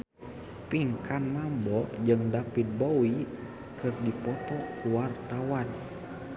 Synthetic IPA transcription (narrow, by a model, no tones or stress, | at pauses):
piŋkanmambɔd͡ʒɨŋdapit̪̚bowi | kɨrdipɔt̪ɔkuwart̪awan